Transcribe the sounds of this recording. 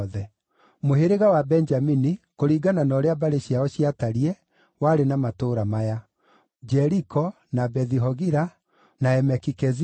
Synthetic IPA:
ðɛ | moɦeɾeɣawabɛnd͡ʒaminikoɾiːɡananɔɾeabaɾeɕiaɔɕiataɾiɛ | waːɾenamatoɾamaja | d͡ʒɛɾikɔ | nabɛðiɦɔɣiɾa | naɛmɛkikɛzi

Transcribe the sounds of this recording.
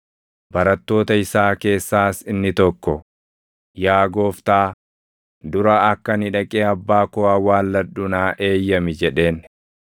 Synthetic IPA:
bɐɾɐt̪ːo̞ːt̪ɐɪsaːke̞ːsːaːsɪnːɪt̪ɔkːɔ | jaːɡo̞ːft̪aː | d̪ʊɾɐɐkːɐnɪᶑɐkʼeːɐbːaːkɔaːwaːlːɐᶑʊnaːʔe̞ːjːɐmɪd͡ʒɛᶑe̞ːn

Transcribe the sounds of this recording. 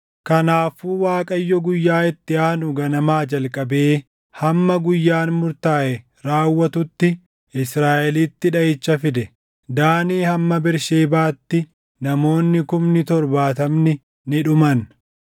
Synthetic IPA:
kɐnaːfuːwaːkʼɐjːɔɡʊjːaːɪt̪ːɪaːnʊɡɐnɐmaːd͡ʒɐlkʼːɐbe̞ː | hɐmːɐɡʊjːaːnmʊɾt̪aːʔɛ | ɾaːwːɐt̪ʊt̪ːɪ | ɪsɾaːʔɛliːt̪ːɪᶑɐjɪt͡ʃːɐfɪd̪ɛ | d̪aːniːhɐmːɐbɪɾʃeːbaːt̪ːɪ | nɐmo̞ːnːɪkʊmnɪt̪ɔɾbaːt̪ɐmnɪ | nɪᶑʊmɐn

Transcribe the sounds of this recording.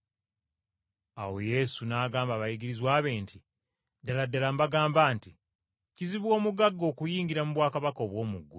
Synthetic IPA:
a̰we̞je̞sunaːɡaːmbaβajiɡiɾizwaːβe̞ːnti | daladːalambaɡaːmbaːnti | ciziβwo̞ːmuɡaɡːo̞ːkujiːŋɡiɾamuβwaːkaβakoβwo̞ːmuɡːu

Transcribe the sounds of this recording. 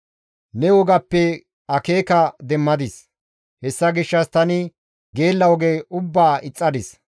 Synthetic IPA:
nɛwɔɡɐpːɛ | ɐkeːkɐd̪ɛmːɐd̪ɪs | hɛsːɐɡɪʃːɐst̪ɐnɪ | ɡe̞ːlːɐwɔɡeːʊbːaːʔɪt͡sʼːɐd̪ɪs

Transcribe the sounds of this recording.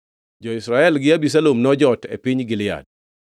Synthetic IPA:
d͡ʒɔɪsɾaɛlɡɪabis̬alomnɔd͡ʒɔtḛpiɲɡɪlɪa̰d̚

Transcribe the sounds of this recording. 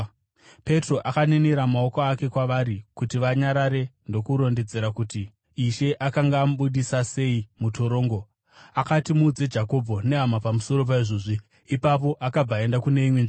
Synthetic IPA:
pe̞tro̞ʔakaneneɾamao̞koake̞kwaʋaɾikutiʋaɲaɾaɾe̞ndo̞kuɾo̞nded͡ze̞ɾakuti | iʃe̞ʔakaŋɡaːmuɓuɗisase̞imutoɾo̞ːŋɡo̞ | akatimuːd͡ze̞d͡ʒako̞bʱone̞ɦamapamuso̞ɾo̞p̬aiʐoːʐi | ipapo̞ʔakab͡vae̞ndakune̞imwenʐi

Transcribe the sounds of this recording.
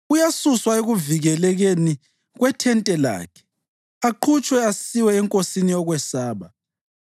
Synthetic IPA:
ujasuswaeɣuviɣɛlɛɣeni | ɣwɛtʰɛntʼɛla̰ːkʰɛ̥ | aǃʰut͡ʃʼwɛasiwɛːŋkʼosinijɔɣwɛsaːβa

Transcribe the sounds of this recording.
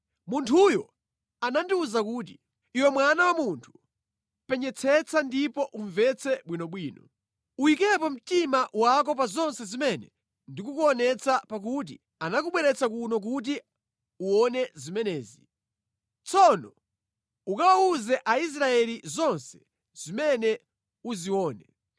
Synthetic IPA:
muntʰujɔ | anandiuzak̬uːt̬i | iwɛmwanawamuntʰu̥ | pɛɲɛt͡sʰɛt͡sʰandipɔʔuɱvɛt͡sʰɛɓwinɔɓwiːnɔ | uikɛpɔm̩timawak̬ɔpazɔnsɛzimɛnɛ | ndikukuɔnɛt͡sʰapak̬ut̬i | anak̬uɓwɛɾɛt͡sakunɔk̬ut̬i | uɔnɛzimɛnɛːzi | t͡sʰɔnɔ | ukawauzɛʔais̬ɾaɛlizɔnsɛ̥ | z̥imɛnɛ | uziwɔːnɛ

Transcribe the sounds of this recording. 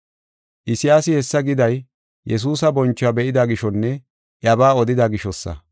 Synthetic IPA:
ʔɪsɪjaːsɪhɛsːɐɡɪd̪ɐj | jɛs̬uːsɐbɔnt͡ʃːʊabɛʔɪd̪aɡɪʃɔnːɛ | ʔjɐbaːɔd̪ɪd̪aɡɪʃɔsːɐ̰

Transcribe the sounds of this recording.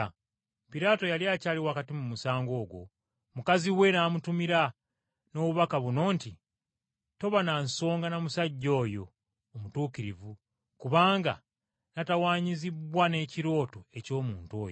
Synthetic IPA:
piɾaːto̞jaliaːcaːliwaːkatimumusaːŋɡo̞ːɡwo̞̰ | mukaziwe̞naːmutumiɾa | no̞ːβuβakaβuno̞ːnti | to̞βananso̞ːŋɡanamusaɟːo̞ːjo̞ː | mutuːkiɾivu | kuβaːŋɡa̰ | natawaːɲiziβwane̞ːciɾo̞ːtoe̞co̞ːmuːnto̞ːjo

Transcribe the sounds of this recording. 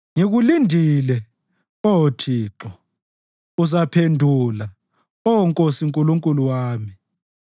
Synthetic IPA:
ŋeɣulindʱilɛ | ɔwotʰiːǁɔ | uzapʰendʱula | ɔɔŋkʼosiŋkʼuluŋkʼuluwaːmi

